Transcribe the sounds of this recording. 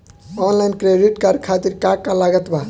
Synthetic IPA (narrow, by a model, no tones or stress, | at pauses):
ɔnlajnkɾeɖiʈkaɾkʰat̪iɾkakːalaɡət̪ba